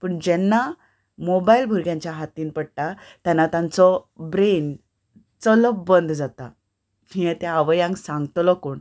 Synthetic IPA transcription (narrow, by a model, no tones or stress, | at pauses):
pəɳd͡ʑɛnːa | mobailbʱuɾɡjãɲt͡ɕjaɦat̪iːnpəɽ̚ʈat̪janːat̪jãnt͡sɔbɾen | t͡sələbənd̪ʱd͡zat̪a | miɛt̪ɛaʋəjãŋɡsãŋɡt̪lɔkoːɳ